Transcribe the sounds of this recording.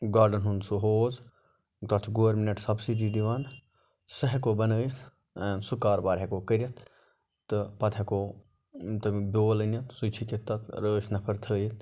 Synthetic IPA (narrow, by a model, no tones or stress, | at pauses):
ɡaːɾɖənɦund̪suɦoːz | t̪ɐt͡ʃʰɡoːɾmɪnɐʈsɐbsidiːd̪iʋaːn | sɐɦɛkoːbɐnəːjit̪ʰ | ɛːnsʊkaːɾbaːɾɦekoːkəɾɐt̪ʰ | t̪ɨpɐt̪ʰɛkoː | t̪ɨboːlənɐt̪ʰsut͡ʃʰikɪt̪ːɐt̪ʰɾəːʃnɐpʰɐɾt̪ʰəːjit̪ʰ